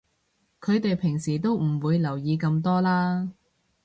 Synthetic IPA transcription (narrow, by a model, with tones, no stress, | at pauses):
kʰɵ˨˧ɥt̪e˨jpʰɪ˨˩ŋsiː˨˩t̪o˥wm̩˨˩wuː˨˧jlɐ˨˩wjiː˨˧kɐ˧mt̪ɔː˥laː˥